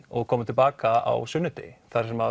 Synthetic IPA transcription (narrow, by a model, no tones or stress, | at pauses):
ɔɣkʰɔːmʏt̪ʰɪlpaːkaa̰wsʏnːʏt̪ɪ̰θaɾ̥sɛmha